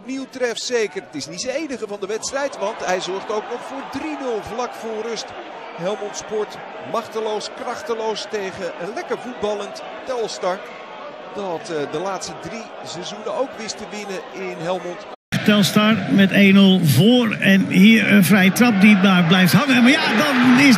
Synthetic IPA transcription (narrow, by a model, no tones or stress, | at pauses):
ɔpniwtrɛftsejkərtɪsnitsəejnəχəvɑndəʋɛtstrɛjtʋɑntɦɛjzɔɹχtowknɔχfʊːɹdrinɵlˠvlɑkfʊːrɵst | ɦɛlˠmɔntspɔɹt | mɑχtəlowskrɑχtəlowstejχəʔənlɛkəɹvud̚bɑlˠən | tɛlˠstɑɹ | d̥ɑtdəlaːtstədri | sɛzunənowkʋɪstəʋɪnəɪnɦɛlˠmɔnt | tɛlˠstɑɹmɛtejnɵlˠvʊːɹɛnɦiːɹənvrɛjətrɑp̚ditmaːɹblɛjftɦɑŋəmaːɹjadɑnɪ